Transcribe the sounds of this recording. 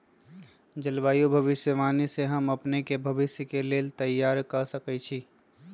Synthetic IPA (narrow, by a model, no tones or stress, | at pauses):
d͡ʒəlbaːjubʱɐʋɪsjəʋaːniseɦɐmɐpnekebʱɐʋɪsjəkeleːlt̪ɐjːaːɾkɐsɐkət͡ʃʰiː